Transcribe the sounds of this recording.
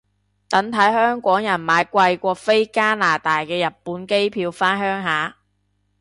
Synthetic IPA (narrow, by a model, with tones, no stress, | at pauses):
t̪ɐ˨˥ŋt̪ʰɐ˨˥jhœː˥ŋkʷɔː˨˥ŋjɐ˨˩nmaː˨˧jkʷɐ˧jkʷɔː˧fe˥jkaː˥naː˨˩t̪aː˨jkɛː˧jɐ˨˩t̚pːuː˨˥nke˥jpʰiː˧wfaː˥nhœː˥ŋɦaː˨˥